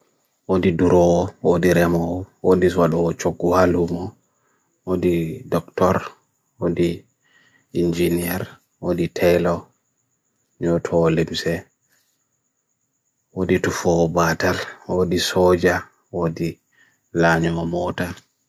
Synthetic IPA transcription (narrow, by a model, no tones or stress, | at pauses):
wodiduɾɔɔwodiɾɛmɔːwodiwaɗɔːt͡ʃoɡːuhalumɔ | wodidɔktɔɾ | wodi | ind͡ʒiniɛɾ | woditʰɛjlɔ | ɲɔtʰɔːlimsɛ | woditufɔɔbatalwodisɔd͡ʒa | wodi | laɲɔɔmɔta